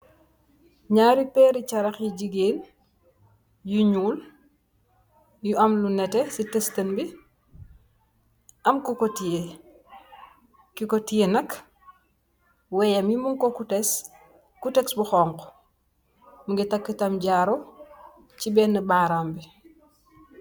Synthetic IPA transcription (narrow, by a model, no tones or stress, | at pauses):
ɲaːɾipɛːɾit͡ʃɐɾɐxjiɟiɡeːn | juɲuːl | juɐmlunɛtɛsitɛstɐnbi | ʔɐmkukɔtije | kikɔtijenɐk | wɛjamjimuŋkɔkutɛs | kutɛksbuxɔːŋkɔ̥ | muŋɡitɐkːitɐmɟaːɾɔ | cibɛːnːəbaːɾaːmbi